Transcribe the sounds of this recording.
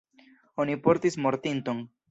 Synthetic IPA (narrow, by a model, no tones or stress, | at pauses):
o̞nipo̞ɾtismo̞ɾtinto̞n